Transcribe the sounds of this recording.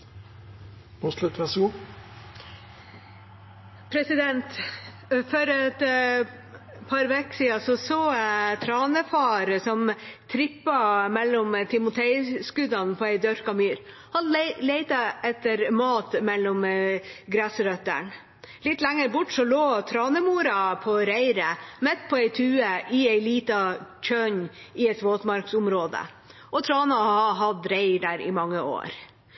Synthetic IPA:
ɔslʉt̪ʋæsɡuː | pʰɾɛsɪd̪ɛnt̪ | fɔɾɛt̪ | pʰɑɾʋeksiːɑsɔsoːt̪ʰɾɑːnəfɑːɾəsɔmt̪ʰɾɪpːɑmɛlːʊmt̪ʰɪmʊt̪ʰɛɪskʉd̪ɑnpʰɔːæɪd̪œɾkɑmyːɾ | hɑnleɪt̪ɑɛt̪ːəɾmɑːt̪mɛlːʊmɡɾæːsəɾœt̪ːə̰ɳ | lɪt̪ːlæŋːəɾbʊʈːsɔloːt̪ʰɾɑːnəmuːɾɑpʰɔɾæɪɾəmɛt̪ːpʰɔæɪt̪ʰʉːəʔɪæɪliːt̪ɑc͡çʰœɲɪɛt̪ʋoːt̪mɑɾksʊmɾoːd̪ə̰ | ʔɔt̪ʰɾɑːnɑhɑɦɑd̪ɾæɪɖæːɾɪ̰mɑŋːəo̰ːɾ

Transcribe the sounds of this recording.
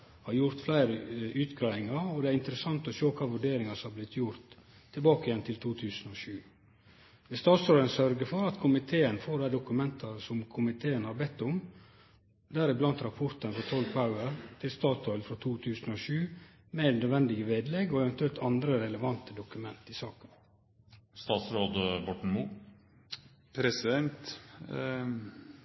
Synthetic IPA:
hɑɾjʊɾt̪flæɪɾəʉːt̪ɡɾæɪɪŋɑɾɔd̪ɛæɾɪnt̪əɾəsɑnt̪ɔʃoːkʰɑːʋʉɖeːɾɪŋɑsɔmɑblɪt̪ʰjʊɾt̪ʰː | ɪlbɑːkəɪjɛnt̪ʰɪlt̪ʰuːt̪ʰʉːsənɔʃʉː | ʋɛst̪ɑːt̪sɔʏlənsœɾɡəfɔɾɑt̪kʰʊmɪt̪ʰeːənfoːɖ̪æɪd̪ʊkʉmɛnt̪ʰɑsɔmkʰʊmɪt̪ʰeːənhɑɾbɛt̪ːʊm | d̪æːɾɪblɑnt̪ɾɑpʰʊɾt̪ənfɾɔt̪ʰɔlpʰaʉəɾt̪ʰɪlst̪ɑːt̪ɔʏlfɾɔt̪ʰuːt̪ʰʉːsənoːʃʉː | mɛnœd̪ʋɛnd̪ɪɡəʋeːd̪lɛɡoːɛʋɛnt̪ʉɛlt̪ʰɑnd̪ɾəɾɛləʋɑnt̪əd̪ʊkʉmɛnt̪ɪsɑːkən | st̪ɑːt̪sɾoːd̪əbɔʈɳ̩muː | pʰɾɛsɪd̪ɛnt̪

